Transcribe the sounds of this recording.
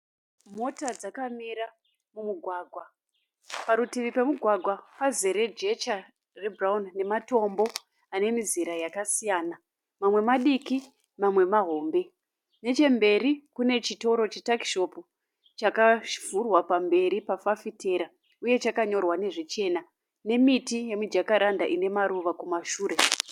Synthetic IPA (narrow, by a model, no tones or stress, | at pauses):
mo̞tad͡zakamiɾa | mumuɡʱwaːɡʱwa | paɾutiʋipe̞muɡʱwaɡʱwapazeɾe̞d͡ʒe̞t͡ʃa | rebraunne̞mato̞mbo̞ | ane̞miziɾajakasijaːna | mamwe̞maɗiki | mamwe̞maɦo̞ːmbe̞ | ne̞t͡ʃe̞mbe̞ɾikune̞t͡ʃito̞ɾo̞t͡ʃetakʃo̞pu | t͡ʃakavurwapambe̞ɾipafafite̞ɾa | uje̞t͡ʃakaɲo̞rwane̞ʐet͡ʃe̞na | ne̞mitijemud͡ʒakaɾandaʔine̞maɾuʋakumaʃuːɾe̞